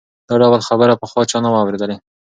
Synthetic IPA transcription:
d̪̥ɑɖawalxabəɾapəxwɑt͡ʃɑnawawɾed̪əle

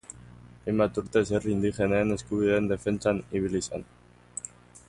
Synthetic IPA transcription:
ajmbat̪uɾt̪e̞s̬erind̪ixe̞neːne̞skuβiðe̞ːnd̪e̞fe̞nt͡saniβ̞ilisen

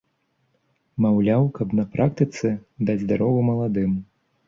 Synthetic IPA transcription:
mawlʲawkɐpnɐpɾʔak̚t̪ɨt̪sɛd̪ad͡z̪ʲd̪aɾɔvumɐlˠad̪ɨm

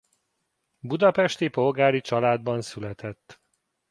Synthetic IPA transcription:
bud̪ɒpɛʃt̪ipo̞lɡaːɾit͡ʃɒlaːd̪bɒnsylɛt̪ʰɛt̪ː

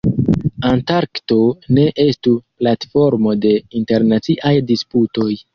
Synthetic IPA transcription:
antaɾkto̞ne̞ʔe̞stuplatfo̞ɾmo̞de̞inte̞ɾnat͡siʔajdisputo̞j

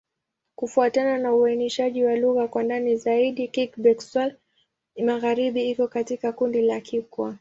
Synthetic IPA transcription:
kufuatananauainɛʃaʄiwaluɣakwandanizaiɗikikbɛkswɛl | maɣaɾiɓiikɔkatikakundilakʰikwa

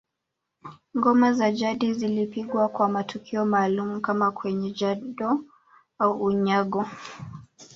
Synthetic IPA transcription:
ŋɡɔmazaʄaɗizilipiɠwakwamatʰukʰiɔmaːlumukamakwɛɲɛʄaɗɔ | auːɲaɠɔ

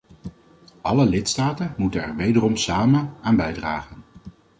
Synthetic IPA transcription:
ʔɑləlɪtstaːtənmutənɛ̰ɹʋejdərɔmsaːmənaːnbɛjdra̰ːχən

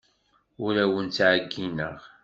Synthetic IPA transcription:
ʊɾæwənt͡sːʕəɡːinə̰ʁ

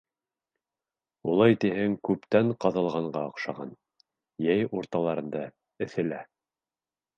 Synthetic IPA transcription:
ulˠɑjt̪iɦɘŋkʉpt̪æɴqɑðɑlˠʁɑɴɢɑɑqʃɑʁɑ̰n | jæjuɾt̪ɑlˠɑɾɤ̆nd̪ɑ | ɘ̆θɘ̆læ

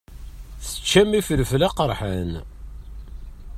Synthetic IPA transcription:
θə̥t͡ʃːæmifələflaqəɾˤħən

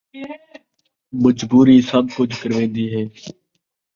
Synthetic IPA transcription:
məd͡ʒbuːɾiːsəb̚kʊt͡ʃʰkəɾʋẽːd̪iːɦɛː

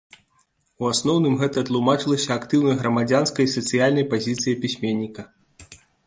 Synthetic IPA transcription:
uasnɔwnɨmɣɛt̪ɐt̪lˠumat͡ʂɨlˠɐsʲɐakt̪ɨwnɐjɣɾɐmad͡zʲanskɐjsɐt̪sɨjalʲnɐjpazʲit̪sɨjɐpʲisʲmʲenʲːikɐ

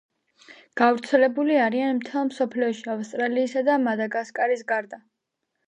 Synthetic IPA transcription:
ɡ̥avɾt̪sʰɛlɛbuliaɾianmt̪ʰɛlˠmsɔpʰliɔʃiafst̪ʼɾaliːsad̪amad̪aɡaskʼaɾisɡaɾd̪a

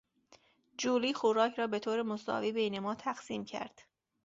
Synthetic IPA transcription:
d͡ʒuːliːxoɾɒːcʰɾɒːbe̞t̪ʰoːɾemosɒ̰ːviːbejne̞mɒːt̪ʰæxsiːmcʰæ̰ɾd̪̥

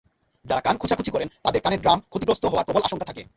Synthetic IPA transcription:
d͡ʑaɾakankʰut͡ɕʰakʰut͡ɕʰikɔɾent̪ad̪eɾkaneɾɖɾamkʰot̪ipɾost̪oɦɔoaɾpɾobolʔaʃoŋkat̪ʰakḛ

